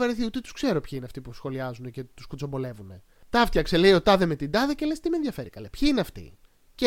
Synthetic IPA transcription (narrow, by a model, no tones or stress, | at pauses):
ɐɾeθiut̪et̪u̥skse̞ɾo̞pçaineɐft̪ipusxo̞liɐzunece̞t̪uskut͡so̞mbo̞le̞vune̞ | t̪ɐft̪çɐkseleio̞t̪ɐðeme̞t̪ind̪ɐðecelest̪imenðʝɐfe̞ɾikɐlepçiineɐft̪ḭ | ce